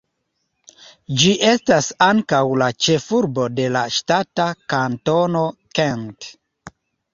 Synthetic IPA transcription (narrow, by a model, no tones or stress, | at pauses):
d͡ʒiʔe̞stasaŋkawlat͡ʃe̞fuɾbo̞de̞laʃtatakanto̞no̞kent